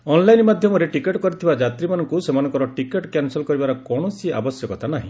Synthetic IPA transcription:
ɔnlajnmad̪ʱjɔmɔɾeʈikeʈkɔɾit̪ʰibad͡ʒat̪ɾimanɔŋkusemanɔ̃ŋkɔɾɔʈikeʈkanselkɔɾibaɾɔkɔɽ̃ɔsia̰bɔsjɔkɔt̪ʰanaɦḭ̃

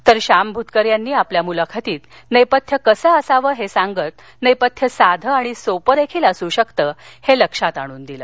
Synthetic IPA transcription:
t̪əɾɕambʱut̪kəɾjanːiːapljamulakʰat̪iːt̪ | nəjpət̪ʰːjəkəsəəsaʋəːɦesãŋɡət̪ | nəjpət̪ʰːjəsad̪ʱəaɽ̃isopəɾekʰiːləsuːɕəkt̪əːheləkʂat̪aɽ̃uːnd̪iləː

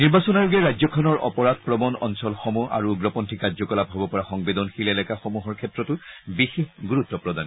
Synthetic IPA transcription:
niɹbasɔnaɹuɡɛɹazɔkʰɔnɔɹɔ̰pɔɹat̚pɹɔbɔnɔ̰nsɔlxɔmua̰ɹuɡɹɔpɔntʰikaɹzɔkɔlapɦɔbɔpɔɹaxɔŋbedɔnxilɛlɛkaxɔmuɦɔɹkʰɛtːɹɔtʊbixexɡuɹutːɔpɹɔdan

